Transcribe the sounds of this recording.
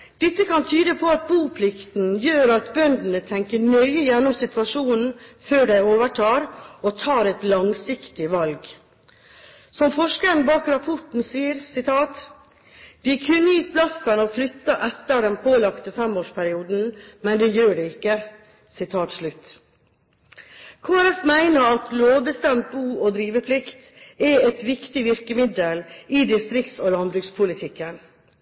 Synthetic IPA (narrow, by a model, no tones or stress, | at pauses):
d̪̥ɛt̪ːəkɑnt̪ʰyːd̪əpʰɔɑt̪̚buːpʰlɪkt̪n̩jøːɾɑt̪bœnd̪n̩ət̪ʰɛŋkəɳœʏəjɛnːɔmsɪt̪ʋɑʂuːnn̩føːɖæɪoːʋəʈʰɑːɾɔt̪ʰɑːɾɛt̪lɑŋsɪkt̪ɪʋɑlɡ | sɔmfɔʂkəɾən̩bɑːkɾɑpʰɔʈn̩siːəɾsɪt̪ʰɑːt̪ | d̪̥ɪkʰʉnːəjiːt̪̚bʰlɑsənoːflʏt̪ːəʔɛt̪ːəɾd̪ɛnpʰoːlɑkt̪əfɛmoːʂpʰæɾɪuːd̪n̩mɛnd̪ɛjøːɖɛɪkːə | sɪt̪ʰɑːt̪ʂlʉt̪ | kʰoːæɾɛfmæɪnəɾɑt̪loːʋbəst̪ɛmt̪̚buːɔd̪ɾiːʋəpʰlɪkt̪ | ɛɛt̪ʋɪkt̪ɪʋɪɾkəmɪd̪əlɪd̪ɪst̪ɾɪkt̪soːlɑnbɾʉːkspʰʊlɪt̪ʰɪkːən